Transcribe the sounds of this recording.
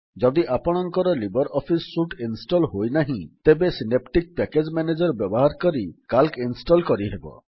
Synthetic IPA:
d͡ʒɔd̪iʔapɔɽ̃ɔŋkɔɾɔlibɔɾɔpʰisːuʈinsʈɔlɦojnaɦĩt̪ebesinep̚ʈik̚pɛked͡ʒmaned͡ʒɔɾbjɔbɔɦaɾkɔɾikalkinsʈɔlkɔɾiɦebɔ̰

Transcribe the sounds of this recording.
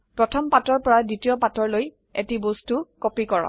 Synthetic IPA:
pɹɔtʰɔmpatɔɹpɔɹaditiɔpatɔɹloj | etibostukopikɔɹɔ̰

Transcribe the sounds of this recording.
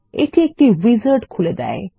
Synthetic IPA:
ḛʈʰiek̚ʈiwizəɾʈkʰuled̪a̰e

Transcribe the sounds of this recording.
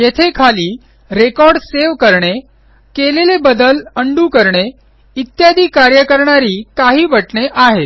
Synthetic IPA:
jet̪ʰekʰaliː | ɾekɔɾɖseʋkəɾɳe | kelelebəd̪ələɳɖuːkəɾɳe | it̪jad̪iːkaɾjəkəɾɳaɾiːkaɦiːbəʈɳeʔaɦe

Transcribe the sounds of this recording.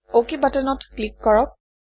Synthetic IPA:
okibatɛnɔtklikːɔɹɔk̚

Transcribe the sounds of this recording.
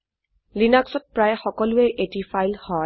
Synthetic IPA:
linaksɔt̚pɹajxɔkɔlʊeʔetifajlhɔ

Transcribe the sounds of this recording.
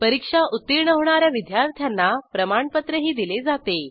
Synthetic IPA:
pəɾikʂaʔut̪ːiɾɳəɦʋɳ̃aɾjaʋid̪jaɾt̪ʰjanːapɾəmaɳpət̪ɾəɦiːd̪iled͡zat̪e

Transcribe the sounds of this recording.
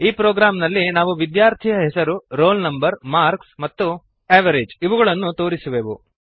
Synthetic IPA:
iːpɾoːɡɾaːmnɐlːinaːʋuʋid̪jaːɾt̪ʰijɐɦɛsɐɾuɾoːlnɐmbɐɾmaːɾksmɐt̪ːu | eːʋɐɾed͡ʒiʋuɣɐɭɐnːut̪o̞ːɾisuʋeːʋṵ

